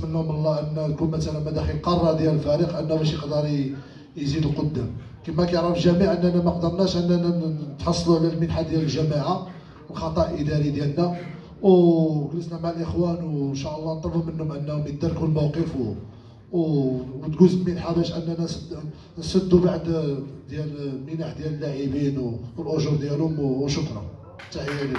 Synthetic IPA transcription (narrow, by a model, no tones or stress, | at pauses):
ənːhʊməlˤːɑʔənːæt̪kunmæt̪ælənmæd̪æxilqɑrˤːɑd̪jæləlfæɾiqʔənːæbæʃjəqd̪əɾˤ | jzid̪əlqod̪ːæmkəmːækæjʕɾˤɑfəlʒæmiʕʔənːænæmæqd̪əɾˤnæʃʔənːænæt̪ħɑsˤːluʕlilmənħad̪jæləlʒæmaʕa | əlxɑt̪ˤɑʔid̪æɾid̪jælnæ | wkələsnæmaʕlʔəxwænwnʃɑʔəlˤːɑnt̪ˤɑbumənhʊmʕənːæwməd̪ɑɾˤkulmæwqəf | wwt̪ɡuzmənħabæʃʔənːænæ | nsəd̪ːubaʕd̪d̪jælmənaħd̪jæləlːaʕibinwəlʔʊʒuɾd̪jælʊmʃʊkɾˤɑ̰ | t̪ːaʕjæli